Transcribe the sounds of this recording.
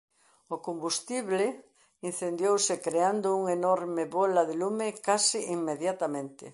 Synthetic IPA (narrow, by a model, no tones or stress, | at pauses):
ʊkombust̪iβlɪ | in̟θend̪jowsɪkɾeand̪ʊuŋenɔɾmɪβɔlaðelumɪkasiʔiŋmeðjat̪amẽnt̪ɪ̰